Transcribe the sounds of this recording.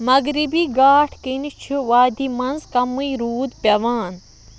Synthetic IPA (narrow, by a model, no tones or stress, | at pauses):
mɐɡɾibiːɡaːʈʰkinit͡ʃʰuʋaːd̪ʱiːmɐnzkɐmujɾuːd̪pʲɐʋaːn